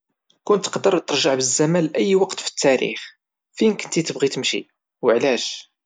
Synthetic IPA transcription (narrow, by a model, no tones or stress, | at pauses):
kʊnt̪ːə̥qd̪əɾˤt̪ːəɾˤʒaʕbəzːæmælʔæjːwɑqt̪fə̥t̪ʰːæɾḭχ | finkənt̪it̪əbʁit̪əmʃḭ | wəʕlæʃ